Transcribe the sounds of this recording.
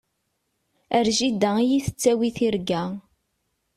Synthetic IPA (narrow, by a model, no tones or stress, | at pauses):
əɾʒid̪æijiθə̥t͡sːæwiθiɾɡæ